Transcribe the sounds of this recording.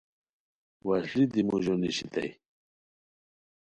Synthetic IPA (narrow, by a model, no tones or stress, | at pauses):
waslid̪imuʑoniɕit̪ʰa̰j